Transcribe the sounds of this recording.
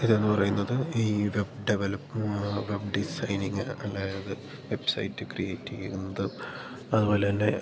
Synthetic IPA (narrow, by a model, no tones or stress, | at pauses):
iðonːɨpɐrɐjunːɐðɨiːʋe̞bɖeʋelɐpːʋe̞bɖisɐjniŋːɨɐlːaːjɐðɨ | ʋe̞bsɐ̰jtːɨkrije̞ːtːiɣiunːɐðɨ | ɐðɨbo̞ːle̞lːe